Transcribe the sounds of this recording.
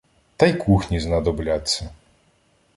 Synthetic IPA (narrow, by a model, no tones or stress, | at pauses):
t̪ɐjkʰuxnʲiznɐd̪ɔblʲat͡sʲːɐ